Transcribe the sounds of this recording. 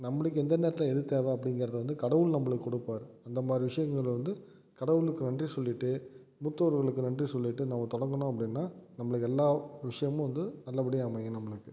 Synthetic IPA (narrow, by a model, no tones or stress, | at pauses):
nɐmːɐɭɯkːɯɛnd̪ɐneːɾɐt̪ɪlɛðɯɾt̪ːaːðaːɐpːɐɽɪŋɡɪɾɐðɐʋɐnd̪ɯkɐɽɐʋɯɭnɐmːɐɭɯkːɯkːɔɽɯpːaːɾɯɐnd̪ɐmaːd̪ɾiʋɪʂɐjɐŋɡɐɭʋɐnd̪ɯ | kɐɽɐʋɯɭɯkːɯnɐɳdrisɔlːɪʈːɯ | mʊt̪ːɐʋɐɾɣɐɭɯkːɯnɐɳrisɔlːɪʈːɯnɐmːɐt̪ɔɽɐŋɡɐnõːɐpːɐɽɪnːaːnɐmːɐɭɯkːɛlːaːʋɪʂɐjɐmʊ̃ʋɐnd̪ɯnɐlːɐpɐɽɪjɐɐmɐŋɡẽnɐmːɐɭɯkːɯ